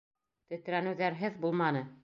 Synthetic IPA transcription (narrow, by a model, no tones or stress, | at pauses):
t̪ɵ̆t̪̆ɾænɘ̆wðæɾɦɘðbulˠmɑnɤ